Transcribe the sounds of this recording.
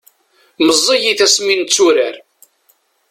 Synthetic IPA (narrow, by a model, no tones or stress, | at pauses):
məzˤːijiθæsmint͡sːuɾaɾ